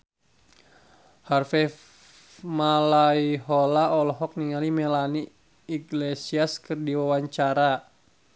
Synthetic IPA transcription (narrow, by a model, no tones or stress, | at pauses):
harfɛ | malaiɦɔlaɔlɔɦɔk̚niŋalimɛlani | iɡlesiaskɨrdiwawaɲt͡ʃaɾa